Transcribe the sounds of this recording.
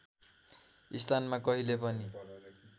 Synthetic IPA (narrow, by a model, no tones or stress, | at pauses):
ist̪anmakʌɦilepʌni